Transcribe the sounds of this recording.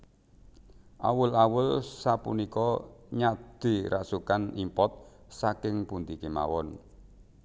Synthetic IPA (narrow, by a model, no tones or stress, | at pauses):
ʔa̰wʊlawʊlsapunikɔɲad̪̥i̤ɾʔa̰sukanimpɔt̪̚sakɪŋpund̪ikema̰wɔn